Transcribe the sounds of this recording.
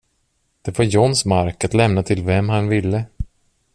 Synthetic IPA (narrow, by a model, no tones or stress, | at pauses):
d̪̥ɛvaɾjɔnsmaɾkat̪lɛmnat̪ʰɪlvɛmɦanvɪlːə